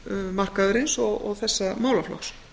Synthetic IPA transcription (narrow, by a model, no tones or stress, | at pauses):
mar̥kaðʏɾɪnsɔɣɔ̰ɣθɛsːamaːwlaflɔ̰ks